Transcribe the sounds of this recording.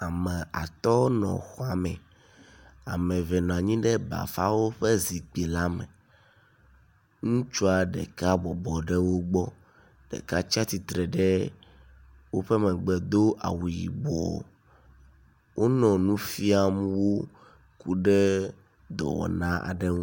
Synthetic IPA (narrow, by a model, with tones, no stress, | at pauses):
a˨mɛ̃˨ʔa̰˨t̪ɔ˦nɔ̰̃˨xɔ˦a˨mɛ̃˨ | a̰˨mɛ̃˨vɛ˨nɔ̃˨a˨ɲĩ˦ɖɛ˦ba̰˨fa˦wo˦ɸɛ˦zi˨k͡pi˨la˦mɛ̰˨ | ŋũ˦t͡ʃu˦a˨ɖɛ̰˨ka˦bɔ˨bɔ˨ɖɛ˦wo˦ɡ͡bɔ˦ | ɖ̥ɛ̰˨ka˦t͡ʃa˦t̪i˨t̪ɾɛ˨ɖɛ˦ | wo˦ɸɛ˦mɛ̃˨ɡ͡bɛ˨d̪o˦ʔa̰˨wu˨jḭ˨bɔ˨ | wʔo˦nɔ̃˨nũ˦fi˦a˨mũ˦wo˦ | ku˦ɖɛ˦ | d̪ɔ̰˨wɔ̰˨nã˦ʔa̰˨ɖɛ˦ŋũ˦